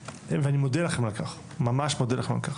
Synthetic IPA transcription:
veanimod̪elaχemalkaχ | mamaʃmod̪elaema̰lkaχ

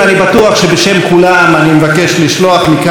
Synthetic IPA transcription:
anibat̪uaχʃe̞beʃe̞mkulamanimevake̞ʃliʃlo̞aχmik

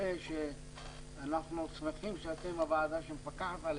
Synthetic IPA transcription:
eʃe | anaχnut͡smeχimʃeat̪emavaːd̪aʃempakaħat̪al

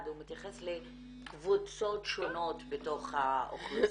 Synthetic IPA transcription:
dumit̪jaχesle | kvut͡so̞tʃo̞no̞tbeto̞χhao̰χlo

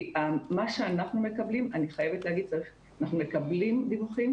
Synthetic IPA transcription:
amaʃeanaχnume̞kɐblimaniχajevetleavidt͡saʁiχ | anaχnumekɐblimdivuχim

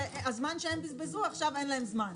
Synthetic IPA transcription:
azmanʃeembizbezuaχʃavenlaɦemzman

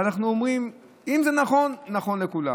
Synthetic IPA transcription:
anaχnuomʁim | imzenaχo̞nːaχo̞nlekula̰

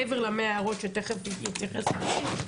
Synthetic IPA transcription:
eveʁlameaːʁotʃet̪eχevt̪ikit͡siχesai

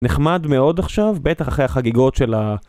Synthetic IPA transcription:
neχmadmeo̞daχʃavbet̪aχaχʁejaχaɡiɡo̞tʃe̞la

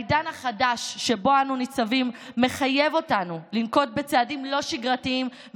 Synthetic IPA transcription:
jdanaχadaʃːe̞bo̞anunit͡savimːe̞χaje̞vo̞tanulimko̞t̚be̞t͡seadimlo̞ʃiɡʁatiim

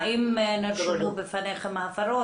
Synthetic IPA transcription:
imnadubefaneχemafaɾo

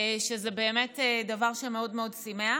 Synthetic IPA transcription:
ʃezebe̞ːmetedavaʁʃemeodmeo̞dsimea

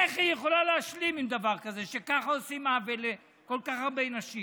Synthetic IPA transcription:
eχijeχo̞laleaʃlimimd̪avaʁkaze̞ʃe̞kaχaosimavele | ko̞lkaχhaʁbe̞naʃim

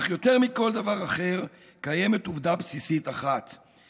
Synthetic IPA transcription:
χjo̞t̪e̞ʁmiko̞ld̪avaʁaχe̞ʁ | kaje̞me̞t̪uvd̪apsisit̪aχat̪

